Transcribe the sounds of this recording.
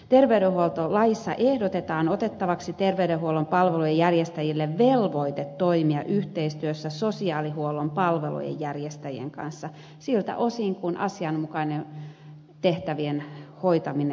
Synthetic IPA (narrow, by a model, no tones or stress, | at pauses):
t̪erʋeyɾehuolt̪olɑjisːɑ̰ʔehdot̪et̪ɑːnot̪et̪ːɑʋɑksit̪erʋeyɾehuolːompɑlʋelujejærjest̪æjilːeʋʋelʋoit̪et̪toimiɑ̰ʔyht̪eist̪yøsːæsosiɑːlihuolːˑompɑlʋelṵjḛjjærjest̪æjiḛŋkɑ̰nsːɑ | silt̪æ̰ʔosiŋkunʔɑ̰siɑnmukɑnen | t̪eht̪æʋienhoit̪ɑmin